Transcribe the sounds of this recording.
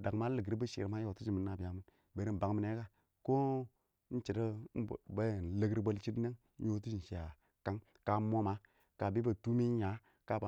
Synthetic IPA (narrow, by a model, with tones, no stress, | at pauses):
da˨ŋ˦ma˦lə˨ɡɾi˦bə˦ʃḭ˨ɾma˦jo˨tu˦d͡ʒi˨mi˨nːa˨bi˨ja˨mi˦n | be˨˦ɾi˦m˨ba˨ŋ˦mi˦ne˦ka˦ | ko˦ | n̩˦t͡ʃi˨ta˦˨ba˦˨n˨lə˦ɡɾbo˦lt͡ʃi˦tne˦ŋ˦ | o˦tu˦i˨i˨ja˨ | ka˦ŋ | ka˨˦mo˦ma˦ | ka˨bi˦ba˨tu˦mi˦ɲa˨˦ | ka˦ba˨